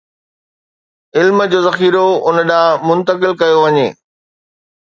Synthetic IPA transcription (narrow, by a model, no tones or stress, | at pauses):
ɪlmd͡ʑoːzɐxiːɾoʊnəɗãːmʊ̃nt̪əkɪlkɐjoʋɐɲḛː